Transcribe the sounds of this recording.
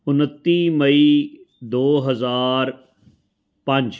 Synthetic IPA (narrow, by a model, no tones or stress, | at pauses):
ʊnət̪ːimɐi | d̪oːɦɐzaːɾ | pɐ̃ɲd͡ʒ